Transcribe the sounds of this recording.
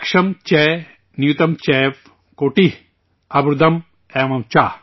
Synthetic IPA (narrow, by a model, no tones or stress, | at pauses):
kʂɐmt͡ʃɛː | njut̪ɐmt͡ʃɛːʋ | koːʈi | ɐbɾud̪ɐm | ɛːmɐmt͡ʃaː